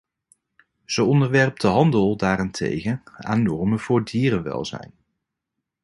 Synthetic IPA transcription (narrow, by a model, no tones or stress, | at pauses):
z̥əɔndəɹʋɛrp̚dəɦɑndəlˠdaːɾantʰḛjχəna̰ːnːɔɹmənv̥ʊːɹdiːrənʋɛ̰lˠzɛ̰jn